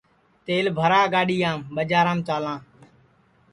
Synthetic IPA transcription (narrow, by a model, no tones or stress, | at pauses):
t̪eːlbʱəɾaːɡaːɗiːãːmɓəd͡ʒaːɾãːmt͡ʃaːlãː